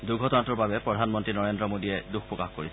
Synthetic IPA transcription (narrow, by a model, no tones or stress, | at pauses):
duɡʱɔtɔnatɔɹbabɛpɹɔdʱanmɔntɹinɔɹendɹɔmodiɛduxpɹɔkaxkoɹis